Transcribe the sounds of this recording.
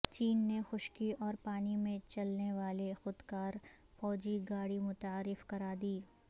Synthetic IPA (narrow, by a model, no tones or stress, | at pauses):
t͡ʃiːnːexʊʃkiʔɔːɾpaːnimẽt͡ʃɐlneʋaːlexʊd̪kaːɾ | fɔːd͡ʒiɡaːɽimʊt̪aːɾɪfkɐɾaːd̪iː